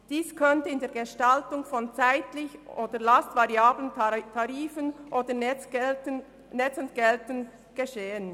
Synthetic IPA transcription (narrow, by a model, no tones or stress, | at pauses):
d̥iːskʰœntəɪndeːɐɡeʃtaltʊŋfɔnt͡saɪtlɪçoːdəlastv̥ɑʁiaːbləntʰɑʁiːfənʔoːdə | nɛt͡sʊntɡ̥ɛltən | ɡ̥eʃeːən